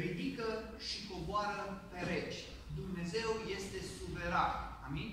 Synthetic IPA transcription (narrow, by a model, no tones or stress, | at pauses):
ɾid̪ikə | ʃiko̞boaɾəpe̞ɾe̞t͡ʃʲ | d̪umne̞ze̞wje̞st̪e̞suve̞ɾanamin